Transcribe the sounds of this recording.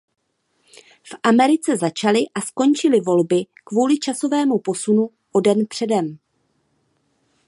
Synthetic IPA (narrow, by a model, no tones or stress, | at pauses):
fʔamɛɾɪt͡sɛzat͡ʃalɪʔasko̞nt͡ʃɪlɪvo̞lbɪkvuːlɪt͡ʃaso̞vɛːmupo̞sunu | ʔo̞dɛnpr̥ɛdɛm